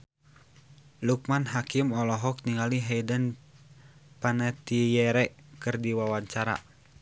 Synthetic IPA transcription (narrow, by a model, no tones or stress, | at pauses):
luk̚manɦakimɔlɔɦɔk̚niŋaliɦɛidən | panɛt̪ijɛɾɛʔkɨrdiwawaɲt͡ʃaɾa̰